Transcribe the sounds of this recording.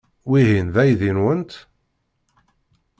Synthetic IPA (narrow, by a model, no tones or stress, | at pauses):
wihinðæjðinwənt̪